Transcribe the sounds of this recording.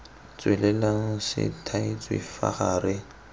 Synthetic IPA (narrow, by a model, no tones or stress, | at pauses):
t͡sʼwɛlɛlaŋ̩ʃɪ̰tʰait͡sʼwɪfa̰χaːrɪ